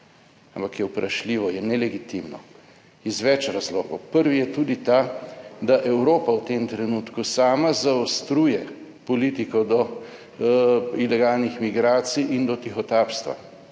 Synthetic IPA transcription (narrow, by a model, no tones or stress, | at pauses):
ampakjɛwpɾʔaʃliːʋɔjɛnɛlɛɡit̪imnɔ̰ | izʋɛt͡ʃɾazloːɡɔ̰wpəɾʋijɛt̪uːd̪it̪ad̪aʔɛwɾoːpawt̪emt̪ɾɛnuːt̪kusaːmazaɔst̪ɾuːjɛ | pɔliːt̪ikɔd̪ɔ | ilɛɡaːlnixmiɡɾaːt̪siʔind̪ɔt̪ixɔt̪aːpst̪ʋa̰